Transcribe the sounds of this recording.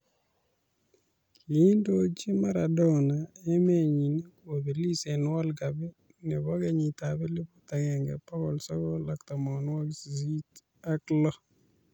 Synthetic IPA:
kʰi˨˦ndo˦t͡ʃe˦ma˦ɾa˨dɔ˦na˨e˦me˦˨ɲi˨n˦ko˨be˨li˦sɛ˨nwɔ˦lɡa˨bɛ˦ | nɛ˨bɔ˦ɡɛ˦ɲi˨t̪abɛ˦le˦po˦t̪a˨ɡɛ˨ŋɡɛ̰˨pa˦kɔ˨lsɔ˦kɔ˦la˨kt̪a˨mɔ˨n˦wɔ˦ɡsi˨zi˦t | a˦klɔ˦

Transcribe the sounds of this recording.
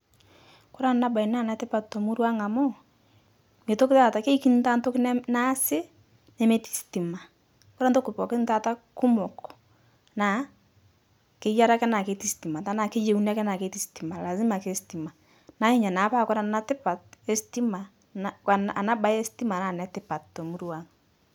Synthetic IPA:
ko˦ɾa˦na˦ba˨i˨na˦˨na˨˦tɪ˦pa˨tto˨mu˦ɾwa˦ŋa˨mɔ˦ | me˨to˦kɪ˦ta˦˨ta˨ke˦i˦ki˦n˦ta˦nto˦kn˦na˦sɪ˦ | nɛ˦me˦ti̥˨˦sti˨ma˨ | ko˦ɾa˦n˦to˦ku˨pɔ˨ke˦n˦ta˦˨ta˦ku˦mɔ˨kɔ̥˨ | na˨ | ke˨˦ja˦ɾa˦kɛ˦na˨ke˦ti˦sti˨ma˨ta˨˦na˨ke˦je˨u˦na˦kɛ˦na˨ke˨˦ti˦sti˨ma˨la˨zɪ˦ma˨ke˦sti˨ma˨ | na˨˦ɲe˦˨ɲa˨na˨˦pa˦kɔ˦ɾa˨na˦tɪ˦pa˨t̚e˦sti˦ma˨ | na˦ka˨na˨na˦ba˦e˦si˦ti˦ma˨na˨nɛ˨tɪ˦pa˨tto˨mu˦ɾwa˦ŋ

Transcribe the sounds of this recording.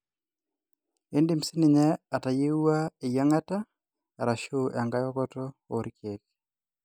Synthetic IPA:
e˦ndi˦˨msi˦nɪ˨ɲɛ˦a˨ta˨je˦u˦a˦ɪ˨ja˦ŋa˦ta˦˨ | ɾa˨ʃo˦ʔa˨ŋɡa˦jɔ˦kɔ˦tɔ˦o̰˨ɾkje˨k

